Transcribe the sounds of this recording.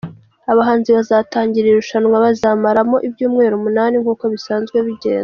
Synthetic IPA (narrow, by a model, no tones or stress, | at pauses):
aβaɦaːnziβazaːtaːɲɟiɾiɾuʃanwaβazaːmaɾamo̞ʔibjuːmŋe̞ːɾumunaːniŋkuːko̞βisaːnzɡwe̞βiɟḛːnz